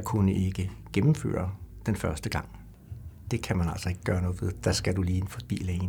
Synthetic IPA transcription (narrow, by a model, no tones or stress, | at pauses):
kʰunəʔe̝ɡ̥əɡ̥emm̩fø̰ːɐd̥enfɶɐsd̥əɡ̥ɑ̈ŋ̰ | d̥e̝kʰæmænæl̰sɒ̽e̝ɡ̥əɡ̥ɶːɐnɔ̽ːð̩ˠʋe̝ðˠd̥æsɡ̥æduliːnəfɒb̥ḭːlɛn